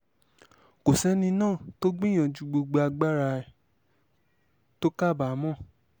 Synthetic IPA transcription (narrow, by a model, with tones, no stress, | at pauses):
ko˨sɛ˦nĩ˧nãː˦˨to˦ɡ͡bĩ˦j̃ã˨d͡ʒu˧ɡ͡bo˧ɡ͡bo˧a˧ɡ͡ba˦ɾa˧ɛ˨ | to˦ka˦˨ba˨˦mɔ̃˦˨